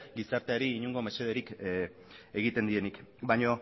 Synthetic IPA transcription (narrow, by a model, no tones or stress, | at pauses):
ɡisaɾt̪e̞aɾiːɲuŋɡo̞meseð̞eɾik | eɣ̞it̪e̞nd̪ie̞nikbajɲo̞